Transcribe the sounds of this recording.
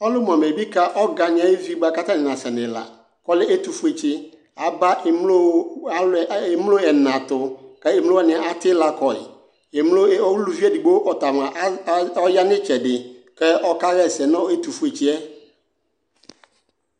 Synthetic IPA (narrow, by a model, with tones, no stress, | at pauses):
ɔ˦lʊ˦m˨ã˨me˨bi˦ka˦ʔɔ˦ɡa˨nɪ̃˨˦a˨˦ɪ˦vi˦ɡ͡ba˦ka˦ta˦nɪ˨nã˨sɛ˨nɪ̃˨la̰˨ | kɔ˦lɪ˦e˦t̪u˨fu˦e˨t͡ɕɪ˦ | a˨ba˦ʔɪ˨mlo˦a˦lm˦lo˦ɛ˨nã˨tʊ˨kɛ˦ɪ˨m˦o˦ɔ˦˨nɪ̃˨a˨a˦tɪ˦la˨kɔ˨ɪ̰˨ | ɛ˨mlo˦ɔ˦wu˦lu˨vi˦ɛ˦di˨ɡ͡bo˦wʔɔ˨ta˨mã˨ʔɔ˦ja˦nɪ̃˦t͡ʃɛ˨dɪ˨kɛ˦ʔɔ˦ka˦ɣɛ˦˨sɛ˨nɔ̃˦e˦t̪u˨fu˦e˨t͡ɕi˦ɛ˦